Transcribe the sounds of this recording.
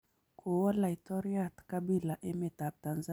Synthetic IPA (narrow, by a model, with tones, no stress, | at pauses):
kʰu˨wa˦la˨itɔ˦ɾia˨tka˦bi˦la˨ʔɛ˦mɛ˨ta˨p̚ta˨nza